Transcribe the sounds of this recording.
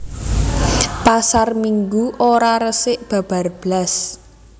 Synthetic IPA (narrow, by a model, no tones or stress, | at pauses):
pasarmiŋɡuʔoɾaɾəsɪʔb̥a̤b̥a̤rb̥las